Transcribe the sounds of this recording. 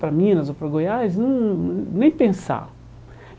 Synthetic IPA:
pɾɐmĩnɐzowpɾɐɡojaznɐ̃w̃nẽj̃pẽsa̰

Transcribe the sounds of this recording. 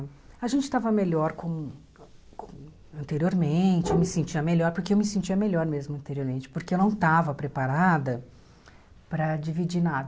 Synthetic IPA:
ɐʒẽnt͡ʃɪ̥t̪avɐmeʎɔɾkõmʊ | kõ | ɐ̃nt̪eɾioɾmẽt͡ʃɪewmɪsẽnt͡ʃiɐmeʎɔɾpoɾkeewmɪsẽnt͡ʃiɐmeʎɔɾmezmʊɐ̃t̪eɾioɾmẽnt͡ʃɪ̥poɾkeewnɐ̃w̃t̪avɐpɾepaɾad̪ɐ | pɾɐd͡ʒivid͡ʒinad̪ɐ

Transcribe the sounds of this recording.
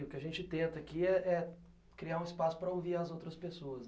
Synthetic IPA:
ʊkɪɐʒẽnt͡ʃɪt̪ẽnt̪ɐakiɛɛ | kɾiaɾũɪspasʊ̥pɾɐoviɾɐzowt̪ɾɐspesoɐs

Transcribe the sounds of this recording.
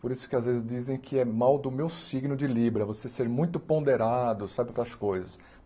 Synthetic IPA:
poɾisʊ̥kɪazvezɪzd͡ʒizẽj̃kʰɪɛmawd̪ʊmewsiɡnʊd͡ʒɪlibɾɐvoseseɾmũj̃t̪ʊpõnd̪eɾad̪ʊsabɪk̪ɐskojzɐs

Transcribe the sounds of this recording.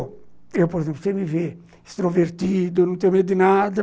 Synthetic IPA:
ewpoɾezẽmplʊsẽmɪve | ist̪ɾoveɾt̪id̪ʊnɐ̃t̪ẽɲʊmed̪ʊd̪ɪnad̪ɐ

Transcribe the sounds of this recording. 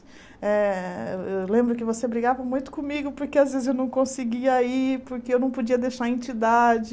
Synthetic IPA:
ɛewewlẽmbɾʊkɪvosebɾiɡavɐmũj̃t̪ʊ̥kõmiɡʊpoɾkeazvezɪzewnɐ̃w̃kõsɪɡiɐipoɾkeewnɐ̃w̃pod͡ʒiɐd̪eʃaɾẽnt͡ʃid̪ad͡ʒɪ

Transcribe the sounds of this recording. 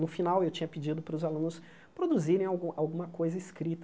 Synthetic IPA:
nʊfinawewt͡ʃĩɲɐpid͡ʒid̪ʊpɾʊzalũnʊs | pɾod̪uziɾẽj̃awɡawɡũmɐkojzɐɪskɾit̪

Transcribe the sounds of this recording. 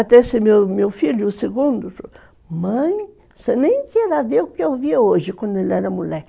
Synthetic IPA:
at̪ɛsɪmemewfiljʊʊseɡũnd̪ʊt | mɐ̃j̃ | senẽj̃kɛɾaveʊkɪewvioʒɪkwɐ̃nd̪ʊelɛɾɐmulɛk

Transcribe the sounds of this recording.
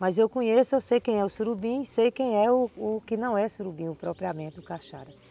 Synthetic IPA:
mɐzewkõɲesʊewsejkẽj̃ɛʊsuɾubĩɪsejkẽj̃ɛʊːkɪnɐ̃w̃ɛsuɾubĩʊpɾɔpɾiamẽnt̪ɪʊkaʃa̰ɾɐ

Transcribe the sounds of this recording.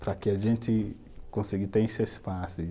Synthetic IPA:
pɾɐkɪaʒẽnt̪ɪ | kõsiɡit̪ẽesɪespasʊ

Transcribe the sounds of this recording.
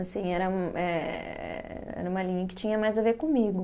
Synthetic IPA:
asĩɛɾɐũʔɛɛ̰ɛ̰ɾɐũmɐlĩɲɐkɪ̥t͡ʃĩɲɐmajzaveɾkõmiɡʊ

